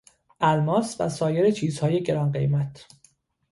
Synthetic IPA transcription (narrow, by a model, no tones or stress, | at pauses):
ʔælmɒːsvæ̰sɒːjeɾet͡ʃʰiːzhɒːje̞ɟe̞ɾɒnɢe̞jmæt̪ʰ